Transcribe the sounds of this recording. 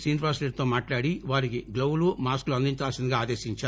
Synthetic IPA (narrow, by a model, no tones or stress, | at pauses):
siːnpaːsʈeʈ̚t̪oːmaːʈlaːɽiʋaːɾikiɡlowulumaːskluɐnd̪iɲt͡ʃaːlsind̪iɡaaːd̪eːsiɲt͡ʃaː